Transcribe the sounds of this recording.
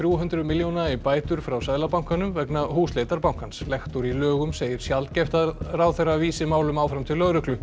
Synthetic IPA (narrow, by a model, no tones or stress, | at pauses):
θɾjuɦʏnt̪ɾʏmɪljownaipaːjt̪ʏɾ̥fɾawsajðlapawŋ̥kanʏmvɛknahuːsleːjt̪aɾpawŋ̥kanslɛxt̪uɾilœːɣʏmseːjɪɾ̥sjalt̪cɛft̪aðrawθɛraviːsɪmaːwlʏmaːwfɾamt̪ʰɪlːœɣɾʏhklʏ